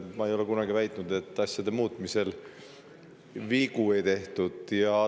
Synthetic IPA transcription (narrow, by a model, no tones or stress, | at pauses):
mɑejo̞le̞kunɑɡivæjt̪ːˑnud̪̥e̞t̪ːɑsjɑd̪e̞muːt̪ːˑmise̞l | viɡ̥ue̞jt̪e̞ht̪ud̪̥jɑ